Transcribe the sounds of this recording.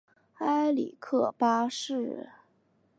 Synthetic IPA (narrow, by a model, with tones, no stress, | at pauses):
a˥ɪlḭ˨˩kʰɤ˥˩pa˥ʂɻ̩˥˩